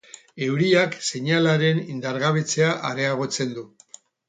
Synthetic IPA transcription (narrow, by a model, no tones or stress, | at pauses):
e̞wɾiakse̞ɲalaɾe̞nind̪aɾɣaβ̞e̞t͡se̞aʔaɾe̞aɣ̞o̞t͡se̞nd̪u